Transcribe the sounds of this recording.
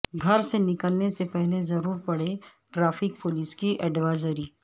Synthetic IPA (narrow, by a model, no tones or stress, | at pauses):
ɡʱɐɾsenɪkəlnesepɛɦlezɐɾuːɾpɐɽ̤e | ʈɾaːfɪk̚pʊːliːskiʔɛɖʋaːɪzəɾiː